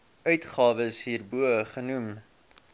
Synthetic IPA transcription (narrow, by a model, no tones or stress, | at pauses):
œɥtχɑːvəsɦiːrbuəəχənum